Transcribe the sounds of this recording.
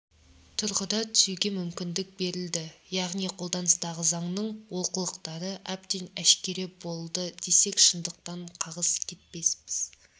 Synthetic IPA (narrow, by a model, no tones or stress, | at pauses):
t̪ʰʊɾʁəd̪ɑt̪ʰʏ̥suɡʲe̞mʏmkʲɪnd̪ɪk̚be̞ɾɪld̪ɪjɑʁnijqʰo̞lˠd̪ɑnəst̪ɑʁəzɑɴnəɴwo̞qəlˠəqt̪ɑɾəʔæp̚t̪e̞næʃkʲe̞ɾebo̞lˠd̪əd̪̥e̞se̞kʃənd̪əq̚t̪ɑɴqʰɑʁəzkʲʰe̞t̪̚pe̞spɪz̥